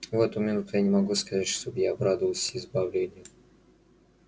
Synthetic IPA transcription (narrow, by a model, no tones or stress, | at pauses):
vɛt̪ʊmʲɪnut̪ʊjanʲɪmɐɡuskɐzatʲʂt̪objaːbɾad̪əvəlˠsʲɪzbɐvlʲenʲɪjʊ